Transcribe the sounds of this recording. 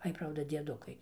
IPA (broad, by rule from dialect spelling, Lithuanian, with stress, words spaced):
ˈɐɪ ˈprɐʊdɐ dʲiɛˈdʊkɐɪ